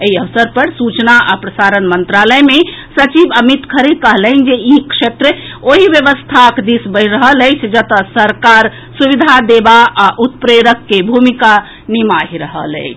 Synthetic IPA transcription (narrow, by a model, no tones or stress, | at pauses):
eɦiəʋsəɾpəɾsut͡ʃnaapɾəsaɾənmənt̪ɾaləemesət͡ʃibəmit̪kʰəɾekəɦlən̆d͡ʒeikʂet̪ɾəoɦiʋjəʋəst̪ʰakd̪isbəɪɾəɦələjt͡ʃʰd͡ʒət̪əsəɾkaɾ | subid̪ʱad̪ebaaʔut̪̚pɾeɾəkːebʱumika | nimaɦiɾəɦə̰lə̰ɪt͡ʃʰ